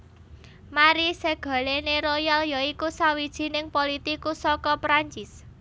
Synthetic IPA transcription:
maɾiseɡ̥a̤leneɾojaljɔikusawid̥ʒ̥i̤nɪŋpolit̪ikusɔkɔpɾaɲt͡ʃɪs

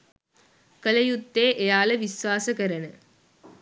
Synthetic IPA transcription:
kəlɐjut̪ːeːʔejaːlɐʋisʋaːsəkɐɾɐnə

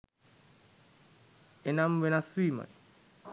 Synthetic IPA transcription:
enamwenaswiːma̰n

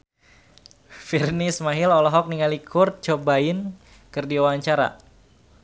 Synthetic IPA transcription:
firnɪsmaɦɪlɔlɔɦɔk̚niŋalikʰʊr̚t͡ʃobaɪn | kɨrdiawaɲt͡ʃaɾa̰

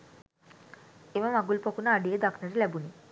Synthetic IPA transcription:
eʋamaɡulpɔkunaːɖied̪akʰnaɾelɛbuni

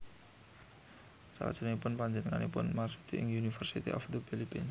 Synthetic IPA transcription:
sa̰la̰̥ʒ̥ə̤ŋipʊnpaɲd͡ʒənəŋanipʊnmarsut̪ʰiʔɪŋunifərsit̪ḭʔɔfd̪əb̥eliben

